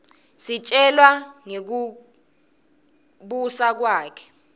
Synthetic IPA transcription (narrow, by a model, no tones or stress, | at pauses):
sit͡ʃʼɛlwaŋek̬u | ɓusak̬waːkʰɛ̥